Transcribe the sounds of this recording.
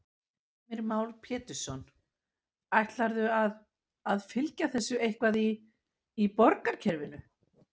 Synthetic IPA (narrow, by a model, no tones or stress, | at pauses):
mɪɾmaːwlpʰɛːt̪ʏ̥sɔn | ajht̪laɾðʏað | aðfɪlcaθɛsːʏejhkvaðiː | pɔɾkaɾ̥cʰɛɾvɪnʏ